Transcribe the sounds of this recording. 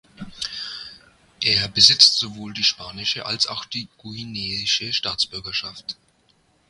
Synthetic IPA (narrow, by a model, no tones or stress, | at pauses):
ʔeːɐbəzɪt͡stz̥ovoːldiːʃpaːnɪʃəʔa̰lsa̰ʊxd̥iːɡ̥uineːzɪʃəʃtaːt͡sb̥ʏɐɡɐʃaft